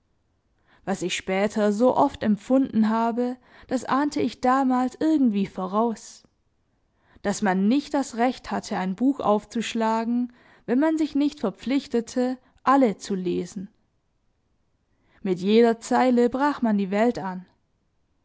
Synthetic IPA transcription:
v̥asɪçʃpɛːtʰɐzoːʔɔftɛmp͡fʊndn̩ɦaːbə | d̥asʔaːntʰəɪçd̥aːmaːlsʔɪɐɡŋ̩tv̥iːfoʁaʊs | d̥asmanːɪçt̚d̥asʁɛçthatʰəaɪnbuːxʔa̰ʊft͡suʃlaːɡŋ̩ | vɛnmanzɪçnɪçtfɛɐp͡flɪçtətʰə | ʔalət͡suleːzn̩ | mɪtjeːɾɐt͡saɪləbʁaːxmandiːvɛltan

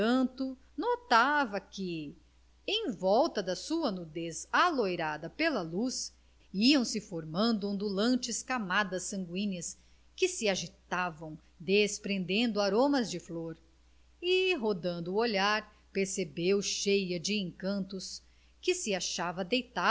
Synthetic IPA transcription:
ɐ̃nt̪ʊ | not̪avɐkɪ | ẽj̃vɔwt̪ɐd̪ɐsuɐnud̪ezalojɾad̪ɐpelɐlus | iɐ̃w̃sɪfoɾmɐ̃nd̪ʊõnd̪ulɐ̃nt͡ʃɪskamad̪ɐsːɐ̃ŋɡwĩɲɐs | kɪsɪaʒit̪avɐ̃w̃ | d̪espɾẽnd̪ẽnd̪ʊaɾõmɐzd͡ʒɪfloɾ | ɪɦod̪ɐ̃nd̪ʊːoʎaɾ | peɾsebewʃejɐd͡ʒɪẽŋkɐ̃nt̪ʊs | kɪsɪaʃavɐd̪ejt̪a

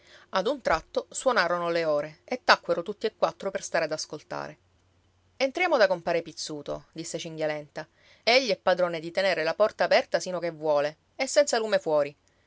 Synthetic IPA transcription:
ad̪unt̪ɾat̪ːoswonaːɾonoleoːɾeet̪ːakːweɾot̪ut̪ːiekːwat̪ːɾoperst̪aːɾead̪askolt̪a̰ːɾe | ent̪ɾjaːmod̪akompaːɾepit̪sːuːt̪o̰d̪isːet͡ʃiŋɡjalɛnt̪a | eʎːiɛpːad̪ɾoːned̪it̪eneːɾelapɔrt̪aːpɛrt̪asinokevːwɔːle | esːɛnsaluːmefwɔːɾi

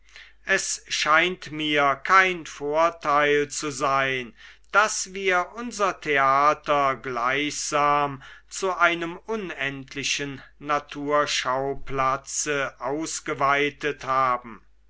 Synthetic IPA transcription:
ʔɛsʃaɪntmiːɐkʰaɪnfoːɐtʰaɪlt͡suzaɪnd̥asv̥iːɐʔʊnzɐtʰeaːtɐɡlaɪçz̥aːmt͡suʔaɪnəmʔʊnɛntʰlɪʃənːatʰuːɐʃaʊplat͡səʔaʊsɡ̥əvaɪtəthaːbm̩

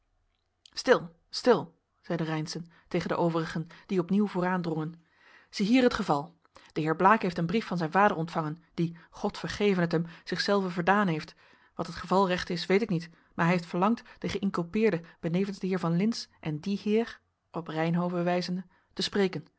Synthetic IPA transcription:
stɪlˠ | stɪlˠ | z̥ɛjdərɛjnsən | tejχəndəʔowvərəχənd̥iɔpniwvoːraːndrɔŋən | z̥iɦiːɹɦətχəvɑlˠ | d̥əɦɪːɹblaːkɦejftənbrifɑnzɛjnvaːdəɹɔntfɑŋənd̥iχɔtfəɹχejvənətɦɛmz̥ɪχsɛlˠvəvəɹdaːnɦejft | ʋɑtɦətχəvɑlˠrɛχtɪsʋejtɪknit | maːɹɦɛɦeftfəɹlɑŋtd̥əχəʔɪŋkylˠpɪːɹdəb̥ənejvənzdəɦɪːɹvɑnlɪnsʔɛndihɪːɹ | ʔɔprɛjnɦowvəʋɛjzəndə | təsprejkən

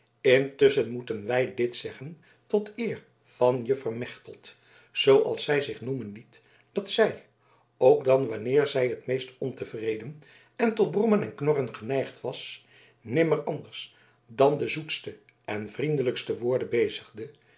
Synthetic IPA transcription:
ɪntʏsənmutənʋɛjdɪtsɛχən | tɔtɪːɹ | v̥ɑnjəvərmɛχtəlˠt | z̥owʔɑ̰lˠsɛjzɪχnumənlit | d̥ɑtsɛj | owɡdɑnʋɑnɪːɹzɛjɦətmejstɔntəvrejdən | ɛntɔd̚brumənɛnknɔrənχənɛjχtʋɑs | nɪməɹɑndəɹs | dɑndəzutstə | ɛnvrindələkstəʋʊːɹdəbejzəχdə

